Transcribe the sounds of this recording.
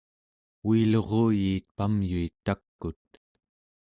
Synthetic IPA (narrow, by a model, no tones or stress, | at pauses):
wiːlo̞ʁoːjiːt̪̚pamjuit̪ːakːut̪̚